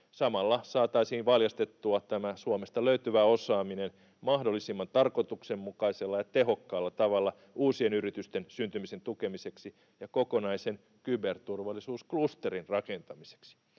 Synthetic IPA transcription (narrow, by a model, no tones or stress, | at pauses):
sɑmɑlːɑsɑːt̪ɑisiːnʋɑljɑst̪et̪ːuɑt̪æmæsuomest̪ɑløyt̪yʋæosɑːminen | mɑhdolːisimːɑnt̪ɑrkot̪uksemːukɑiselːɑjɑt̪eɦo̞kːɑːlːɑt̪ɑʋɑlːɑ | uːsienyrit̪yst̪ensynt̪ymise̞nt̪uke̞mise̞ksi | jɑkoko̞nɑisen | kybert̪urʋɑlːˑisuːsklust̪erinrɑke̞nt̪ɑmise̥ksi̥